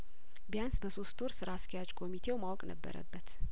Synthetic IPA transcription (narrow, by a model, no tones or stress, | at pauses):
bjansbəso̞st̪ʰoɾsɨɾaskʰijat͡ʃkʰo̞mit̪ʰe̞wmawkʼnə̰bːə̰ɾə̰bːət̪